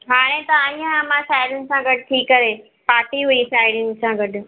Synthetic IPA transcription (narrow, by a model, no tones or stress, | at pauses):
ɦaːɽ̃ẽt̪ɐɐ̃ĩãmãsaːɪɾjʊnɪ̆sãɡɐɖʈ̪ʰikːɐɾe | paːʈiɦuisaːɪɽʊnɪ̆sãɡɐɖʊ̆